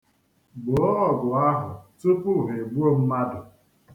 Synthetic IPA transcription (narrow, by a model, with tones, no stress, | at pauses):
ɡ͡bʊ˨˦ɔ˦ɔ˦˨ɡʊ˨a˦ɦʊ˨tu˦pu˦˨ɦe˨ɡ͡bu˦o˦m̩˦ma˦dʊ˨